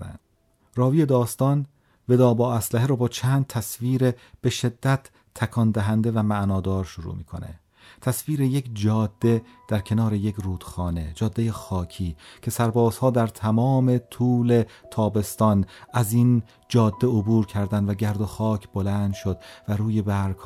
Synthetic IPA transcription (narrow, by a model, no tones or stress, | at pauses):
æ̰n | rɒːviːe̞d̪ɒːst̪ɒːn | ve̞d̪ɒːbɒːæslæɦeɾɔːbɒːt͡ʃʰæːnd̪̚t̪ʰæsviːɾeb̥eʃe̞d̪ːæt̪ʰː | ækʰɒːnd̪æɦænd̪e̞væmæʔnɒːd̪ɒːɾʃoɾṵːmḭːkʰo̞̰ne̞̰ | t̪ʰæsviːɾeje̞kd͡ʒɒːd̪̥ːe̞ | d̪̥æɾkʰe̞nɒːɾejekruːd̪̥xɒːne̞d͡ʒɒːd̪ːe̞jexɒːcʰiːcʰe̞sæɾbɒːzhɒːd̪æɾt̪ʰæmɒːme̞t̪ʰuːle̞t̪ʰɒːbe̞st̪ɒnæziːn | d͡ʒɒːd̪ːeobuːɾcʰæɾd̪ænd̪væɟæɾd̪o̞xɒːcʰbolæːnd̪ʃo̞d̪̚væɾuːje̞bæɾɡ